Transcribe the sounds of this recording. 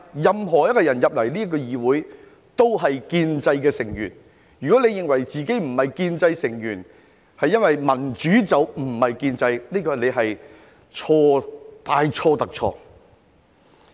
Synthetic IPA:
jɐ˨mɦɔː˨˩jɐ˥t̚kɔː˧jɐ˨˩njɐ˨p̚lɐ˨˩jliː˥ɐ˥k̬ːɔː˧jiː˨wuː˨˥j | t̪o˥wɦɐ˨jkiː˧nt͡sɐ˧jkɛː˧sɪ˨˩ŋjyː˨˩n | jyː˨˩kɔ˨˥le˧jɪ˨ŋwɐ˨˩jt͡siː˨˧ke˨˥jm̩˨˩hɐ˨jkiː˧nt͡sɐ˧jsɪ˨˩ŋjyː˨˩n | hɐ˨jːɐ˥nwɐ˨jmɐ˨˩nt͡ʃyː˨˥t͡sɐ˨wm̩˨˩hɐ˨jkiː˧nt͡sɐ˧jniː˥kɔː˧˥le˨˧jɦɐ˨j | t͡ʃʰɔː˧t̪aː˨jt͡ʃʰɔː˧t̪ɐ˨k̚t͡ʃʰɔ̰ː˧

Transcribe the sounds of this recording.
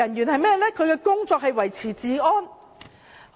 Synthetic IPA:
ɐ˨˩njyː˨˩nɦɐ˨˧jmɛː˥˩lɛː˥kʰɵ˨˧ɥkɛː˧kʊ˥ŋt͡sɔː˧k̚hɐ˨jwɐ˨˩jt͡sʰiː˨˩t͡siː˨˥ɔː˥n

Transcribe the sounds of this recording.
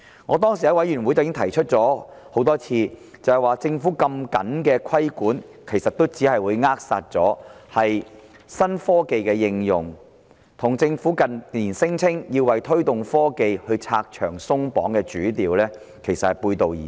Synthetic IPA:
ŋɔː˨˧t̪ɔː˥ŋsiː˨jɐ˦˥wɐ˨˥jɥy˨˩nwu˨˥jt͡sɐ˨jɪ˥ŋt̪ʰɐ˨˩jt͡ʃʰɵ˥t̚t͡sɔː˨˥ho˨˥wt̪ɔː˥t͡sʰiː˧t͡sɐ˨˧hɛ˨˩jwaː˨t͡sɪ˧ŋfuː˨˥kɐ˧mkɐ˨˥nkɛː˧kʰɐ˥jkuː˨˥nkʰe˨˩jsɐ˨t̪o˥wt͡siː˨˥hɐ˨jwuː˨˧jŋaː˥k̚sa̰ː˧t̚t͡sɔː˨˥hɐ˨j | sɐ˥nfɔː˥ke˨˧jkɛː˧jɪ˧ŋjʊ̰˨˩ŋ | t̪ʰʊ˨˩ŋt͡sɪ˧ŋfuː˨˥kɐ˨niː˨˩nsɪ˥ŋt͡sʰɪ˥ŋji˧wɐ˨jt̪ʰɵ˥ɥt̪ʊ˨ŋfɔː˥ke˨jhɵ˧ɥt͡sʰa̰ː˧k̚t͡ʃʰœ̰ː˨˩ŋsʊ˥ŋpɔ̰ː˨˥ŋkɛː˧t͡ʃyː˨˥t̪iː˨wlɛː˥ | kʰe˨˩jsɐ˨t̚hɐ˨jpuː˧jt̪o˨wjḭː˨

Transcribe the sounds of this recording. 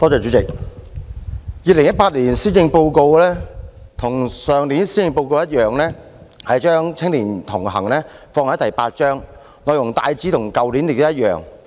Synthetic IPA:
t̪ɔː˥t͡ʃɔː˨˩t͡ʃyː˨˥t͡sɪ˨k̚ | jiː˨˧lɪ˨˩ŋjɐ˥t̚paː˧t̚liː˨˩nsiː˥nɪ˧ŋpo˧wko˧wlɛː˥t̪ʰʊ˨˩ŋsœː˨˧ŋliː˨˥nsiː˥jɪ˧ŋpo˧wko˧wjɐ˥t̚jœː˨ŋlɛː˥ | hɐ˨jt͡ʃœː˥ŋt͡sʰɪ˥ŋliː˨˩nt̪ʰʊ˨˩ŋɦɐ˨˩ŋlɛː˥fɔː˧ŋhɐ˨˥jt̪ɐ˨˩jpaː˧t̚t͡ʃœː˥ŋ | ŋɔː˨˧jʊ˨˩ŋt̪aː˧jt͡siː˨˥t̪ʰʊ˨˩ŋkɐ˨˧wli˨˥nli˨˩t̪jɐ˥t̚jœ̰ː˨ŋ

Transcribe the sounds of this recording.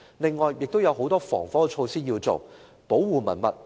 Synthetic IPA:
lɪ˨ŋːɔː˨jːɪ˨k̚t̪o˥wjɐ˨˧wɦo˨˥wt̪ɔː˥fɔ̰ː˨˩ŋfɔː˥˧t͡ʃʰo˧wsiː˥jiː˧wt͡so̰˨w | po˨˥wwuː˨mɐ̰˨˩nmɐ̰˨t̚

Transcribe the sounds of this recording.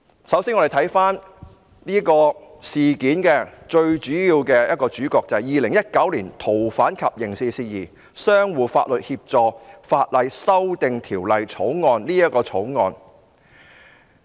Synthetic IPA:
sɐ˨˥wsiː˥nŋɔ˧ɾe˨˩t̪ʰɐ˨˥jfaː˥n | niː˥kɔː˧siː˨kiː˨˥nkɛː˧t͡ʃɵ˧ɥt͡ʃyː˨˥jjiː˧wkɛː˧jɐ˥t̚kɔː˧t͡ʃyː˨˥kɔː˧k̚t͡sɐ˨hɐ˨jiː˨lɪ˨˩ŋjɐ˥t̚kɐ˨˥wliː˨˩nt̪ʰo˨˩wfaː˨˥nkʰɐ˨p̚jɪ˨˩ŋsiː˧siː˧jiː˨˩ | sœː˥ŋwuː˨fa̰ː˧t̚lɵ˨t̚hiː˧p̚t͡sɔː˨kfaː˧t̚lɐ˨˧jsɐ˥wt̪ɪ˨ŋt̪ʰiː˨˩wlɐ˨jt͡sʰo˨˥wŋɔː˧nliː˥jɐ˥t̚kɔː˧t͡sʰo˨˥wŋɔ̰ː˧n

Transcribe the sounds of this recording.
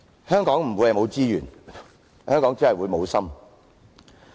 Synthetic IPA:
hœː˥ŋkɔː˨˥ŋm̩˨˩wjɐ˨˧mo˨˧wt͡siː˥jyː˨˩n | hœː˥ŋkɔː˨˥ŋt͡si˥ɐ˨jwuː˨˧jmo˨˧wsɐ˥m

